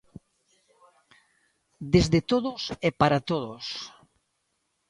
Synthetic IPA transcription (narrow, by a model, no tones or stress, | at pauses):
d̪ezðet̪oðosɛpaɾat̪oðos